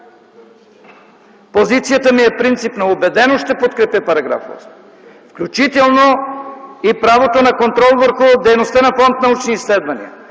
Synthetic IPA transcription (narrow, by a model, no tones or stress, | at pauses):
pozit̪sijət̪əmiɛpɾint̪sipnɐobɛd̪ɛnoʃt̪ɛpot̪kɾɛpɛpɐɾɐɡɾa̰fo̰v̰s | fklʲut͡ʃit̪ɛlˠno | ipɾavot̪onɐkont̪ɾɔlˠvəɾxʊd̪ɛjnost̪ənɐfɔnt̪nɐut͡ʃniːslɛd̪vɐnḭɐ̰